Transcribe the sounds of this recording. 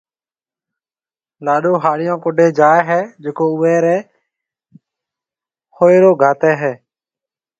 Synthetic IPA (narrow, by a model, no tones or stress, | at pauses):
laːɗoːɦaːɽɪjãːkoɖʱeːd͡ʒaːɛɦɛːd͡ʒɪkoːʊʋɛːɾɛː | hoːeːɾoːɡʱaːt̪ɛːɦɛː